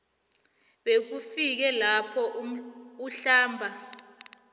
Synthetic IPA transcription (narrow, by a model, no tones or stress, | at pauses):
ɓek̬ufik̬ɛlapʰɔʔuɬaːmbʱa